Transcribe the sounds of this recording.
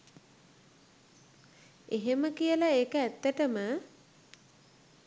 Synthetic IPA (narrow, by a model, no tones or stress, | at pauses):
eɦeməkijəlaeːkəæt̪ːəʈəmə